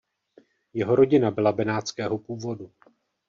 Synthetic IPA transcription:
jɛɦo̞ɾo̞ɟɪnabɪlabɛnaːt͡skɛːɦo̞puːvo̞du

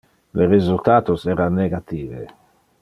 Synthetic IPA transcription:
leɾezult̪aːt̪osɛːɾanːeɡat̪iːvḛ

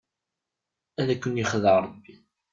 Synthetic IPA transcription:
æðækʷːənjiχðəɾˤbːi

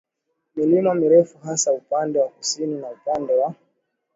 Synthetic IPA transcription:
milimamiɾɛfuɦasaupandɛwakusininaupandɛwa

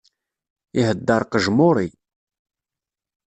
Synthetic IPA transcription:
iɦəd̪ːɑɾˤqəʒmʊɾˤi

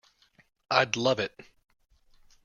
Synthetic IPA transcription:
aɪdˡlʌvɪt̚

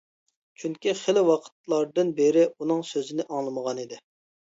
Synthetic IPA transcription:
t͡ʃʰyŋkʲiχelɪwɑqʰə̥t̪̚lˠɑɾd̪ɨnbeɾɪunɨŋsøzɪnɪʔɑŋlˠɨməʁɑnid̪ɪ

